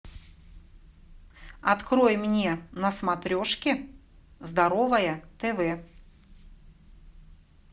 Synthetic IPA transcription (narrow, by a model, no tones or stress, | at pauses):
ɐt̪kɾo̞jmnʲenɐsmɐt̪ɾʲo̞ʂkʲɪ | zd̪ɐɾovəjət̪ɛvɛ